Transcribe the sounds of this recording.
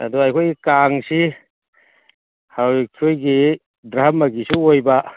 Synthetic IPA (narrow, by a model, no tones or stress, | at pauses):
a̰duajkʰojɡikaŋsi | hawikʰojɡi | dɾamaɡisuojba